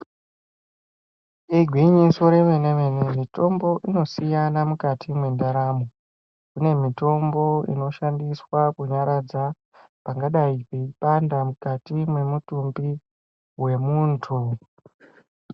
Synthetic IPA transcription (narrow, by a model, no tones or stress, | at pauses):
eɡʱwiɲiso̞ɾe̞ʋene̞ʋenemito̞mbo̞ʔino̞sijanamukatʰimwe̞ndaɾamo | kune̞mito̞mbo̞ḭno̞ʃandiswakuɲaɾad͡za | paŋɡaɗaipeipandamukatimwe̞mutumbi | we̞muːntʰu